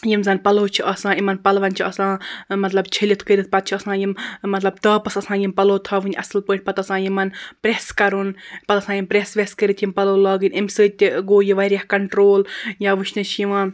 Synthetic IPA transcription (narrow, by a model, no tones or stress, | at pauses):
jimzanpɐloːt͡ʃʰiʔɐsãːimɐnpɐlʋɐnʲt͡ʃʰiɐsãːmɐt̪lɐbt͡ʃʰilʲit̪ʰkəɾit̪̚pɐt̪̚t͡ʃʰiɐsãːjimmɐt̪lɐbt̪əːpɐsɐsãːjimpɐloːt̪ʰɐːʋɨnʲʔɐ̰sɨlpəːʈ̚ʲpɐt̪ɐsãːjimɐnpɾʲeskɐɾunpɐt̪ɐsãːjimpɾesʋeskəɾit̪ʰjimpɐloːlɐːɡɨnʲimsɨt̪ʲiɡoːjiʋɐɾʲjahkɐɳʈɾoːljaːʋɨʃnit͡ʃʰjiʋãː